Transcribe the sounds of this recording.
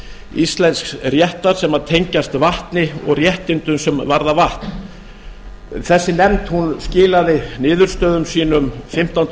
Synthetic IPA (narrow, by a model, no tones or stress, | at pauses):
ist̪lɛnsksrjɛht̪aɾ̥sɛmat̪ʰejɲcast̪vaht̪nɪɔ̰ɣrjɛht̪ɪnt̪ʏnsɛmvaɾðavaht̪n | θɛsːɪnɛmt̪hunscɪːlaðɪnɪːðʏɾ̥st̪œːðʏmsiːnʏmfɪm̥t̪an